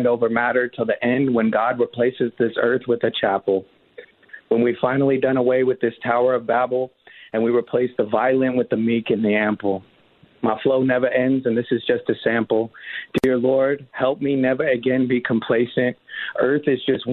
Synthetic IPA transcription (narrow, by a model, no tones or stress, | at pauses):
ndoʊvə˞mæɾə˞tʰəl̩ˠðiʔɛ̃nd̚wə̃nɡɑd̚ɹipʰl̥eɪsɨzðɪsɜ˞θwɨðɨt͡ʃʰæpl̩ˠ | wə̃nwi̥fãɪ̃nl̩ˠidʌ̃ɾ̃əweɪwɨðɪstʰaʊə˞ʌvbæbl̩ˠɨ̃nwiɹipʰl̥eɪsðəvaɪlˠɨ̃nwɨðɨmikɨ̃nðiæ̃mpl̩ˠ | maɪfloʊnɛvə˞ʔɛ̃ndzɨ̃nðɪsɨzd͡ʒʌstɨsæ̃mpl̩ˠd̥ɪɹlɔɹd̥̚hɛlˠp̚minɛvə˞ɨɡɛ̃nbikʰm̩pʰl̥eɪsɨ̃nt̚ʔɜ˞θɨzd͡ʒʌst̚w